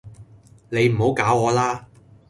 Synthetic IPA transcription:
ne˨˧jm̩˨˩ɦo˨˥wkaː˨˥wɔː˨˧laː˥

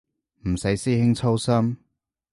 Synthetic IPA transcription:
m̩˨˩sɐ˨˥jsiː˥hɪ˥ŋt͡sʰo˥wsɐ˥m

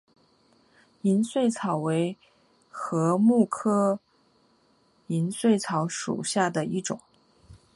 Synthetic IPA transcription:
i˧˥nswe˥˩ɪt͡sʰɑ˨˩ʊwe˧˥ɪ | xɤ˧˥mu˥˩kʰɤ˥ | i˧˥nswe˥˩ɪt͡sʰɑ˧˥ʊʂṵ˨˩ɕja˥˩d̪ə˩i˥˩ʈ͡ʂʊ˨˩˦ŋ

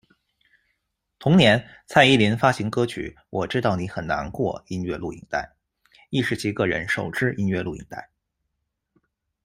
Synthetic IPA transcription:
t̪ʰʊ˧˥ŋnjɛ˧˥n | t͡sʰa˥˧ɪi˥˩li˧˥nfa˥ɕi˧˥ŋkɤ˥t͡ɕʰy̰˨˩˦ | wʔɔ˨˩ʈ͡ʂɻ̩˥t̪ɑ˥˩ʊni˧˥xə˨˩nna̰˧˥nkwɔ̰˥˧i˥nɥɛ˥˧lu˥˩ḭ˧˩ŋt̪a̰˥˩ɪ | i˥˧ʂɻ̩˧˥˩t͡ɕʰi˧˥kɤ˥˩ɻə̰˧˥nʂo˨˩ʊʈ͡ʂɻ̩˥ʔi˥nɥɛ˥˧lu˥˩ḭ˧˩ŋt̪a̰˥˩ɪ

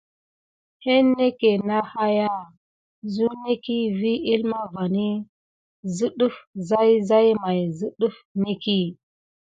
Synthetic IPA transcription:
he˦nːe˦ke˨na˦ha˦ja˦ | zu˦ne˦ki˦vi˦i˦lma˦va˨ni˦ | zu˦ɗu˦fza˦jza˦jma˨jzi˦ɗu˦fne˦ki˦

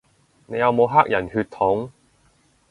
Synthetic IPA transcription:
ne˨˧jɐ˨˧wmo˨˧wɦaː˥k̚jɐ˨˩nhyː˧t̪ʰːʊ˨˥ŋ

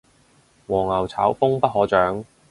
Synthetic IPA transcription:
wɔː˨˩ŋɐ˨˩wt͡sʰaː˨˥wfʊ˥ŋpɐ˥t̚ɦɔː˨˥t͡ʃœː˨˥ŋ

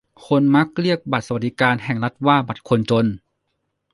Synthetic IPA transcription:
kʰo˧˥nma˧˦˥k̚li˥˩ək̚ba˨˩sa˧˩t̚d̥̪i˦˧kaː˧nhɛ˨˩ŋla˧˥t̪̚waː˧˥˩ba˨˩t̪̚kʰo˧nt͡ɕo˧n

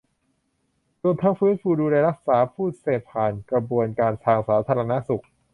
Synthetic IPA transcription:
ɾu˧əmt̪ʰa˦˥ŋfɯː˦˥nfuː˧˩duː˧la˧ɾa˦˥k̚saː˩˦pʰuː˥˩t̪̚seː˨˩pʰaː˨˩nkɾa˧bu˧ənkaː˧nt̪ʰaː˧ŋsaː˩˦t̪ʰaː˧ɾa˧na˦˥su˨˩k̚

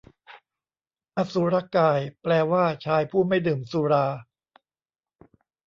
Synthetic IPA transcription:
ʔa˧˩su˨˦ɾa˧kaː˧˩jplɛː˧waː˥˩t͡ɕʰaː˧jpʰuː˥˩ma˥˩jdɯː˨˩msuː˧ɾaː˧

